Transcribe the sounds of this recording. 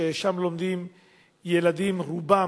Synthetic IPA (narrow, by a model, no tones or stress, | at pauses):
eʃamlo̞md̪im | jelad̪imʁuba